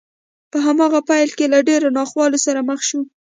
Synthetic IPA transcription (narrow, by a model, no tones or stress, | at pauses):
pəɦamɑɣapajlkelaɖeɾanɑxwɑlosaɾaməxʃu